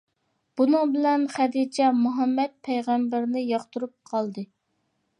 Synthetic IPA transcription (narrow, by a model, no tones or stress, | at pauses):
b̥unɨŋbɪlɛnχæd̪it͡ʃʰɛmuɦɑmːɛt̪̚pʰɛjʁæmbɪɾnɪjɑχt̪uɾup̚qʰɑlˠd̪ɨ